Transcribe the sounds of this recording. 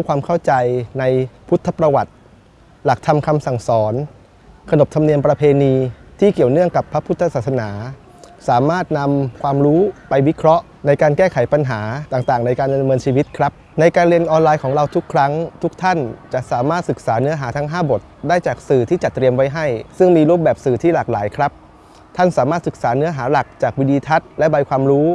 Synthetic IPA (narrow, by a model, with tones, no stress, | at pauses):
kʰwaː˧mkʰa˥˩wt͡ɕa˧jna˧jpʰu˦˥t̪ʰːa˧pɾa˧wa˨˩t̪̚ | la˨˩k̚t̪ʰa˧mkʰa˧msa˨˩ŋsɔː˩˦n | kʰa˧no˨˩p̚t̪ʰa˧mni˧əmpɾa˧pʰeː˧niː˧t̪ʰiː˥˩ki˨˩əwnɯ˥˩əŋka˨˩pʰːa˦˥pʰu˦˥t̪ʰːa˧saː˨˩t̪̚sa˧naː˩˦ | saː˩˦maː˥˩t̪̚na˧mkʰwaː˧mɾuː˦˥pa˧jwi˦˥kʰɾɔ˦˥ʔ | na˧jkaː˧nkɛː˥˩kʰa˨˩˦jpa˧nɦaː˩˦t̪aː˨˩ŋt̪aː˨˩ŋna˧jkaː˧nda˧mɤː˧nt͡ɕʰiː˧wi˦˥t̪̚kʰɾa˦˥p̚na˧jkaː˧nɾi˧ənʔɔː˧nlaː˧jkʰɔː˩˦ŋɾa˧wt̪ʰu˦˥kʰːɾa˦˥ŋt̪ʰu˦˥k̚t̪ʰa˥˩nt͡ɕa˨˩ʔsaː˩˦maː˥˩t̪̚sɯ˨˩k̚saː˩˦nɯ˦˥ɐɦaː˩˦t̪ʰa˦˥ŋɦaː˥˩bo˨˩t̪̚daː˥˩jt͡ɕaː˨˩k̚sɯː˨˩t̪ʰiː˥˩t͡ɕa˨˩t̪ːɾi˧əmwa˦˥jɦa˥˩jsɯ˥˩ŋmiː˧ɾuː˥˩p̚bɛː˨˩p̚sɯː˨˩t̪ʰiː˥˩laː˨˩k̚laː˩˦jkʰɾa˦˥p̚ | t̪ʰa˥˩nsaː˩˦maː˥˩t̪̚sɯ˨˩k̚saː˩˦nɯ˦˥ɐɦaː˩˦la˨˩k̚t͡ɕaː˨˩k̚wiː˦˥diː˧t̪ʰa˦˥t̪̚lɛ˦˥ba˧jkʰwaː˧mɾuː˦˥